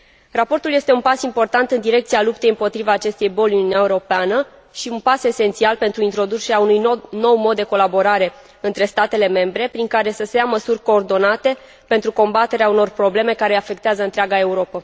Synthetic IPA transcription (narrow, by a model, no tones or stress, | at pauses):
rapo̞rt̪uljest̪e̞unpasimpo̞rt̪ant̪ɨnd̪iɾe̞k̚t̪sialup̚t̪e̞jɨmpo̞t̪ɾivaːt͡ʃe̞st̪ejbo̞lʲununʲaeuɾo̞peanə | ʃiunpase̞se̞nt̪sialpe̞nt̪ɾuint̪ɾo̞d̪ut͡ʃe̞ɾeaunujno̞wmo̞d̪ːe̞ko̞labo̞ɾaɾe̞ | ɨnt̪ɾe̞st̪at̪e̞le̞me̞mbɾe̞pɾiŋkaɾe̞səse̞jaməsurʲko̞ːrd̪o̞nat̪e̞ | pe̞nt̪ɾuko̞mbat̪e̞ɾeauno̞rpɾo̞ble̞me̞kaɾe̞afe̞kt̪eazəɨnt̪ɾʲaɡae̞uɾo̞pə